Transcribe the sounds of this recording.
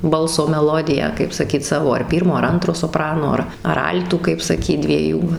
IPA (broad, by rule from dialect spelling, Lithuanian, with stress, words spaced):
ˈbɐlˠsoː mʲɛˈlˠoːdʲɪjæː kɐɪp sɐˈkʲiːt ˈsɑːʋoː ɐr ˈpʲiːrmoː ɐr ˈɐntroː soːˈprɑːnoː ˈɐr ɐr ˈɐlʲtuː kɐɪp sɐˈkʲiːt dʲʋʲiɛˈjuː